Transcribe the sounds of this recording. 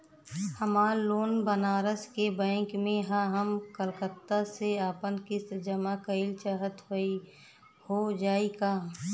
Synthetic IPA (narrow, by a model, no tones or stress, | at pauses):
həmaːɾloːnbənaːɾəskebɛ̃ːŋkmẽɦãɦəmkəlkət̪ːaseaːpənkɪsd͡ʒəmakəɪlt͡ʃaɦət̪ɦoi | hod͡ʒaːiɡaː